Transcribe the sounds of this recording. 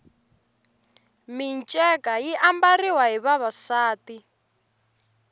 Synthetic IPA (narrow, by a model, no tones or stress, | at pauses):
mint͡ʃʼɛkajiʔambariwaɦiβaβasaːti